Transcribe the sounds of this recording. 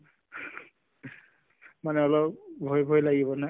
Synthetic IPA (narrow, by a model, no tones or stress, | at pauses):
manɛɔlɔpbʱojbʱɔjlaɡibɔna